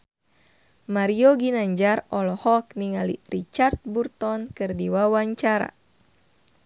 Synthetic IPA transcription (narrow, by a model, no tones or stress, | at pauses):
maɾioɡinaɲd͡ʒarɔlɔhɔk̚niŋalḭrit͡ʃart̪̚burt̪ɔnkɨrdiwawaɲt͡ʃaɾa̰